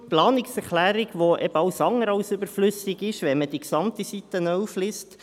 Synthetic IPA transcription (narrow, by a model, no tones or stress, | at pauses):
plɑːnɪksɛɾχlæːɾiɡʋoʔɛbəɑwsɑŋəɾɑwsøbəɾflʏsɪɡɪʃʋɛnməd̥̪iksɑmt̪isit̪ənœufliːst